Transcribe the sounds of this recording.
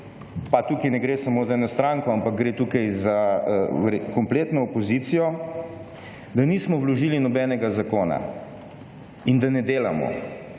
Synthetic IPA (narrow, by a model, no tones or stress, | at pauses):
pat̪ukinɛɡɾeːsamoːzaɛːnɔst̪ɾaŋkɔampak̚ɡɾeːt̪uːkajzaʋɾkɔmpleːt̪nɔːpɔziːt̪sijɔ | d̪aniːsmɔwlɔʒiːlinɔbɛːnɛɡazakoːna̰ | ind̪anɛd̪eːlamɔ̰